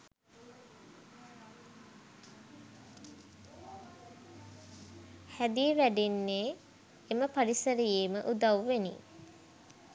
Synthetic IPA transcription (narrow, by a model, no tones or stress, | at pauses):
hæd̪iʋæɖinːeː | eməpaɾisəɾijeːməʔud̪awʋenḭ